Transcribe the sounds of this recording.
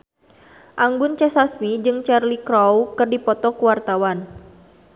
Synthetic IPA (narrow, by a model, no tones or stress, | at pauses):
ʔaŋɡʊnt͡ʃɛsasmid͡ʒɨŋt͡ʃɛrlikɾɔwkɨrdipɔt̪ɔkuwart̪awan